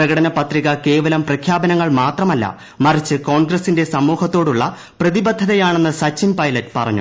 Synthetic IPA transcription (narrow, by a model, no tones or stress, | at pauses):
prɐɣɐɽɐnɐpɐt̪riɣɐke̞ːʋɐlɐmprɐkʰjaːbɐnɐŋːɐɭmaːt̪rɐmɐlːɐ̰ | mɐrit͡ɕːɨko̞ːɳɡrɐsinde̞sɐmːuːhɐt̪ːo̞ːɽuɭːɐ | prɐðibɐd̪ʱːɐðɐjaːɳe̞nːɨsɐt͡ɕːimpɐjlɐtːɨ̥pɐrɐ̰ɲːṵ